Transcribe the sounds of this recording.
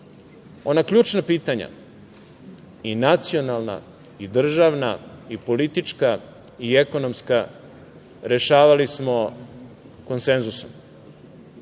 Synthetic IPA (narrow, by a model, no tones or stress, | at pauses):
o̞nakʎuːt͡ʃnapiːt̪aɲa̰ | inat̪sio̞nalˠna̰ | id̪r̩ʒaʋnaipo̞lit̪it͡ʃka | ieko̞nomska | ɾe̞ʃaːʋalismo̞ | ko̞nse̞nzusom